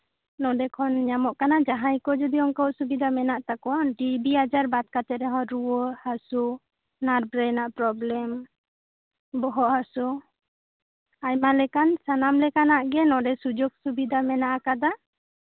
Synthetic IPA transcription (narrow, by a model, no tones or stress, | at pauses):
nɔd̪ɛkʰɔnɲamɔʔkanad͡ʒaɦajkɔd͡ʒɔd̪iɔŋkɔwʔsubid̪amɛnaʔt̪akɔnɖibiɦad͡ʒaɾbat̪̚kat̪ɛɾɛɦɔ̃ɾuwɔhasu | naɾbɾɛnaʔpɾɔblɛm | bɔɦɔʔhasu | ajmalɛkansanamlɛkanaʔɡɛnɔ̃dɛsud͡ʒɔɡ̚subid̪ʱamɛnaʔakad̪a